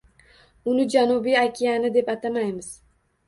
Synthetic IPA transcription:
unɨd͡ʒanubijakʲʰijanɨd̪epɑt̪amajmɪz̥

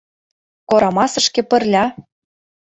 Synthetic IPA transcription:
koɾɑmɑsə̆ʃkĕpə̆rlʲɑ

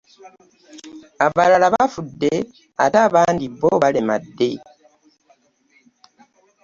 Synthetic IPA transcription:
aβalalaβafudːe | ataβaːndiβoβalemadːe̞

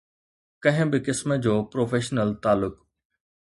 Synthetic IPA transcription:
kɐ̃ɦɪ̃bɪkɪsməd͡ʑoːpɾoːfeːʃnəlt̪aːlʊk

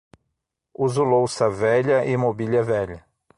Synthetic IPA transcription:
uzulowsɐvɛʎɐʔɪmobiʎɐvɛʎɐ

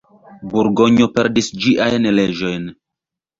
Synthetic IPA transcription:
buɾɡo̞ɲopeɾdisd͡ʒiʔajnled͡ʒo̞jn

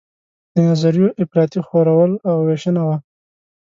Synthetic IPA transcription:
d̪̥ənazaɾjoʔɪfɾɑt̪ixoɾawəlawweʃənawa

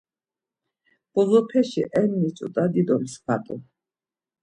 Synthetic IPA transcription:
b̥ɔzɔpʰɛʃiʔɛnːit͡sʼut̪ʼad̪id̪ɔlisb̥at̪ʼɔ

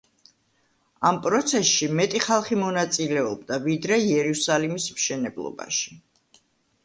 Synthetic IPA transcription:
ampʼɾɔt̪sʰɛsʃimɛt̪ʼiχalˠχimɔnat̪sʼilɛɔb̚d̪avid̪ɾɛiɛɾusalimismʃɛnɛblˠɔ̰ba̰ʃi̥

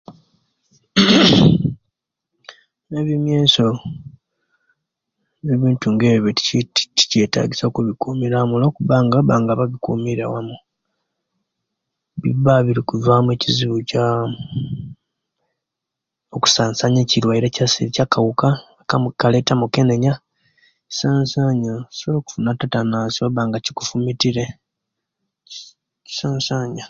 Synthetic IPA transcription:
ne̞βjomjeːso̞ | eβiːntuŋɡeβjoti̥tti̥ce̞ta̰ːɟisokuβikuːmiɾamulokuβaːŋɡaβaːŋɡaβaɡikṵːmiɾa̰wamu | βḭβaβiɾikuvaːmueciziβuca | oku̥saːnsaɲeːciɾwaiɾecasiicakawuka | kamukaletamuke̞neɲa | i̥saːnsaɲasoloku̥funatatanaːsiwaβaːŋɡaci̥ku̥fumitiɾe | i̥saːnsaːɲa

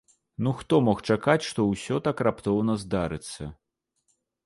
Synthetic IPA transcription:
nuxt̪ɔmɔxt͡ʂakat͡sʲʂt̪ɔwsʲɔt̪akrapt̪ɔwnɐzd̪aɾɨt̪sːɐ

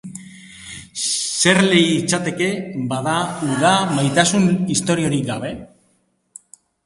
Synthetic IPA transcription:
se̞ɾle̞jːt͡sat̪e̞ke̞baðauðamajt̪asunist̪o̞ɾio̞ɾikɡaβe̞

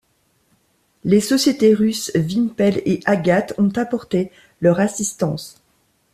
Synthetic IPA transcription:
lesɔsjet̪eʁysvinpɛleʔaɡʲat̪ɔ̃t̪apɔʁt̪e | lœʁasist̪ɑ̃s

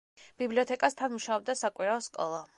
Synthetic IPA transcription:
b̥ibliɔt̪ʰɛkʼast̪ʰanmuʃaɔb̚d̪asakʼwiɾaɔskʼɔ̰lˠa

